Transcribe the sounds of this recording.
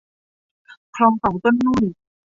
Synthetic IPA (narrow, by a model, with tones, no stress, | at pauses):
kʰlɔː˧ŋka˨˩˦wt̪o˥˩˨nːuː˥˩j